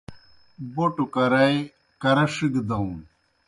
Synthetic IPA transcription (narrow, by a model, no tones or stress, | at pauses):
boʈukɐɾɐj | kɐɾɐʂiɡd̪ɐũn